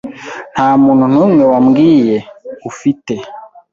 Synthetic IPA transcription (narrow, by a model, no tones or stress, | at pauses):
n̥haːmuːnhun̥uːŋwewamɡiːjeufite